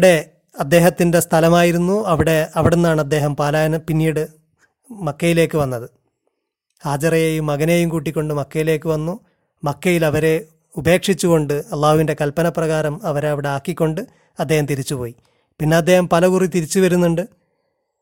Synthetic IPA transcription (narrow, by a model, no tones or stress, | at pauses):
ɽe̞ | ɐd̪ːe̞ːɦɐt̪ːinde̞st̪ʰɐlɐmaːjiɾunːuɐʋiɽeɐʋiɽenːaːɳɐd̪ːe̞ːɦɐmpɐlɐnɐpinːiːɽɨ | mɐkːɐjile̞ːkːɨʋɐnːɐðɨ | haːd͡ʑɐrɐjeːjumːɐɣɐneːjumkuːʈ̬ːikʲːo̞ɳɖɨmɐkːɐjile̞ːkːɨʋɐnːu | mɐkːɐjilɐʋɐɾe̞ | ube̞ːkʂit͡ɕːuɣo̞ɳɖɨɐlˠːaːhuʋinde̞kɐlpɐnɐprɐɣaːɾɐmɐʋɐɾeɐʋiɽe̞aːkːikʲːo̞ɳɖɨ | ɐd̪ːeːhɐmt̪iɾit͡ɕːupo̞ːji | pinːeɐd̪ːe̞ːhɐmpɐlɐɣurit̪iɾit͡ɕːuʋɐɾunːuɳɖɨ